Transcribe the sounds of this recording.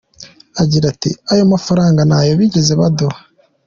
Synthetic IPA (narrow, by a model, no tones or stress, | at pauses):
aɟiɾatḭajo̞mafaɾaːŋɡanajo̞βiɟeze̞βado